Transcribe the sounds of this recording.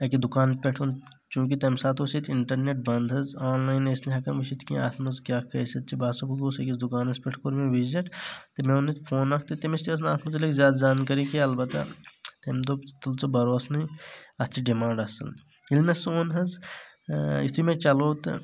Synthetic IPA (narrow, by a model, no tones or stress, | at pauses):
ɐkid̪ukaːnpʲeʈʰon | t͡ʃũːk̬it̪emsaːt̪oːsit̪iɳʈɐɾneʈ̚bɐnd̪ɦɐzaːnlaːjnesniɦɐkɐmʋiʃit̪ʰkḭ̃a̰ːt̪ʰmɐzkʲjaːkɐsɐt̪̚t͡ʃʰibaːsɐbuɡ̪oːsɐkizd̪ukaːnɐspʲeʈʰkoɾmẽʋiziʈt̪emeonːit̪pʰoːnɐk̚ʰt̪it̪emist̪iɐs̬naːt̪ʰmut̪̬ilekzʲjaːd̪zaːnkɐɾikiɐlbɐt̪ɐ̰t̪emd̪ot̪ɐlt͡sobɐɾoːsnɐɐt̪t͡ʃʰiɖimãːɳɖɐsɐ̰l | ilmesoːnɦɐz | it̪ʰimẽt͡ʃɐloːt̪